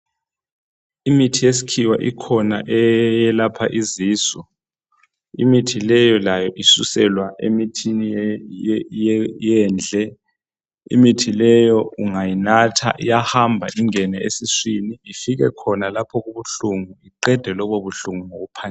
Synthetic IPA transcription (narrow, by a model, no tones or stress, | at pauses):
imitʰijesi̥kʰiwa̰ʔikʰɔnaʔɛjɛlapʰaʔiziːsɔ | ḭmitʰilɛjɔlajɔʔisusɛlwaʔemitʰini | jjɛːnd͡ɮʱɛ | ḭmitʰilɛjɔuŋajinatʰa̰ʔḭjahambʱaʔiŋɛnɛesiswiniifiɣ̬ɛ̰kʰɔnalapʰɔk̬uβuɬuŋuiǃɛd̥ʱɛlɔɓoβuɬuŋuŋoupʰan